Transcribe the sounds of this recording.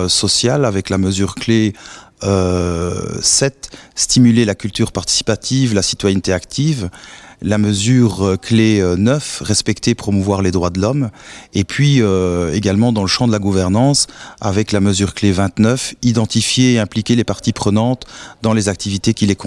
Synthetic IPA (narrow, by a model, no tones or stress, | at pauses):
sɔsjalavɛklaməzyːʁkleø | sɛt̪st̪imylelakʲylt̪yːʁpaʁt̪i̥si̥pat̪ʰiːvlasi̥t̪wajɛnt̪eakt̪ʰiːvlaməzyːʁøkleønœfʁɛspɛkt̪epχɔmuvwaʁled̪ʁwad̪əlɔmepʰɥiøeɡalmɑ̃d̪ɑ̃ləʃɑ̃d̪əlaɡuvɛʁnɑ̃ːsa̰vɛklaməzyːʁklevɛ̃t̪nœfid̪ɑ̃t̪ifjeːɛ̃plikʲelepaʁt̪ipχənɑ̃t̪d̪ɑ̃lezak̚t̪ivit̪ekʲilek